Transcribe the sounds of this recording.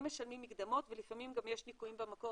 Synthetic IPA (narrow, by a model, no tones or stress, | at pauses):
meʃalmimːikd̪amo̞t̪velifamimɡamje̞ʃnikuimbemako